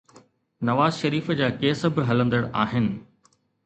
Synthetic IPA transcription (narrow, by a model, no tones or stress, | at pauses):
nɐʋaːzʃɐɾiːfd͡ʑaːkeːsbɪɦɐlə̃nd̪əɽaːɦɪnɪ̆